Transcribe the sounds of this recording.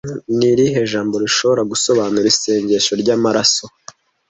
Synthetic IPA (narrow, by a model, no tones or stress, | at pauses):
niɾihe̞ːʒaːmbo̞ɾiʃo̞βo̞ɾaɡuso̞βaːnuɾise̞ːɲɟeʃo̞ɾɟaːmaɾaso̞